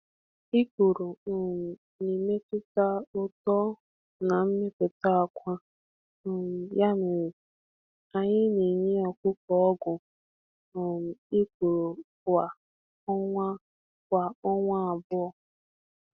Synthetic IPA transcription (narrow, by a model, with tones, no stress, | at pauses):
i˦kʷu˨ɾo˨ʊ˨m̩˨ | ni˨me˦pʊ˦ta˦ʊ˦tɔ˦ | na˨m̩˦mɪ˦pʊ˨ta˦a˨kʷa˦ | ʊ˨m̩˨ja˦nʊ˨w | a˨ɲɪ˦ni˨ɲe˦ɔ˨kʷʊ˦kɔ˨ɔ˦ɡʷʊ˨ | ʊ˨m̩˨i˦kʷu˨ɾo˨ | a˨ | ɔ˦ŋʷa˦ | kʷa˨ɔ˦ŋʷa˦a˨bʊ˦ɔ˨